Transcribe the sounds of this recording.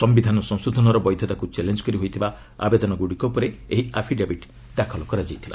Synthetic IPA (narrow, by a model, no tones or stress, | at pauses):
sɔmbid̪ʱanɔsɔ̃ŋsud̪ʱɔnɔɾɔbɔjd̪ʱjɔt̪akut͡ʃelend͡ʒɔ̥kɔɾiɦojt̪ʰiba | a̰bed̪ɔnɔɡuɽikopɔɾeeɦiapʰiɖebiʈ | d̪akʰɔlɔkɔɾad͡ʒajt̪ʰila̰